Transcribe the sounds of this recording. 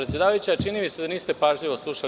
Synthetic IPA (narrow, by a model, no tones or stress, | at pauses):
ɾet̪sjed̪aːʋajut͡ɕat͡ʃinimised̪aniːst̪e̞paːʒʎiʋo̞slˠuʃa